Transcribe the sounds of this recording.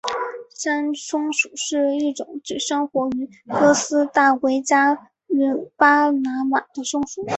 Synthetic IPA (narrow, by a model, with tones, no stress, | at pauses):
ʂa˥nʂʊ˥ŋʂu˨˩ʂɻ̩˥˧i˥˩ʈ͡ʂʊ˨˩˦ŋt͡ɕi˥˩ʂɤ˥ŋxwɔ˧˥y˧˥ | kɤ˥sɹ̩˥t̪a˥˩we˧˥ɪt͡ɕja˥ | y˧˥pa˥na˧˥ma˨˩d̪̥ə˦ʂʊ˥ŋʂu˨˩˦